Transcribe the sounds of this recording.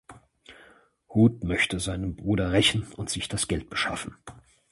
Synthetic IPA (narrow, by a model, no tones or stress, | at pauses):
huːtmœçtəzaɪnənbʁuːdɐʁɛçn̩ʊntz̥ɪçd̥asɡ̥ɛlt̚b̥əʃa̰fn̩